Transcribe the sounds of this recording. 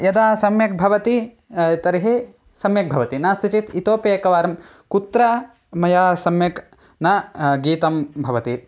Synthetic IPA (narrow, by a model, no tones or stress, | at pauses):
jɐd̪aːsɐmjɐk̚bʱɐʋɐt̪i | t̪ɐɾɦe | sɐmjɐk̚bʱɐʋɐt̪inaːsit͡ʃit̪it̪oːpeːkɐʋaːɾɐm | kut̪ɾɐ | mɐjaːsɐmjɐk | naɡiːt̪ɐmbʱɐʋɐt̪i